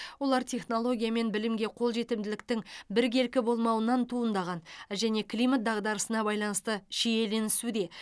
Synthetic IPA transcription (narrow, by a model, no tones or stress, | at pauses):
wo̞lˠɑɾt̪ʲʰe̞χno̞lˠo̞ɡʲijame̞nbɪlɪmɡʲe̞qʰo̞lˠʒe̞t̪ɪmd̪ɪlɪkt̪ɪŋbɪɾkʲʰe̞lkʲɪbo̞lˠmɑwənɑnt̪ʰuənd̪ɑʁɑnʒæne̞klijmat̪̚d̪ɑʁd̪ɑɾəsənɑbɑjlˠɑnəst̪əʃeje̞le̞nɪsud̪e̞